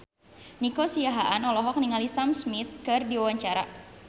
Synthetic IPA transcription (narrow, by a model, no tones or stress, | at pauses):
nikosiaɦaʔanɔlɔɦɔk̚niŋalisamsmit̪̚kɨrdiwawaɲt͡ʃaɾa